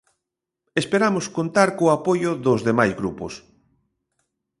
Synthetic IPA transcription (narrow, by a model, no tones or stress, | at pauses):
espeɾamoskont̪aɾkoapojʊðozðemajzɣɾupʊs